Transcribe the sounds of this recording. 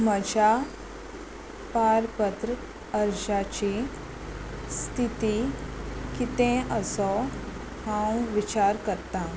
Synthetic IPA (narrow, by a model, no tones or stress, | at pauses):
məd͡ʑʱa | paɾpət̪ɾə | əɾɕat͡ɕi | st̪ʰit̪i | kit̪ẽəsɔ | hãwʋit͡ɕaɾkəɾt̪ã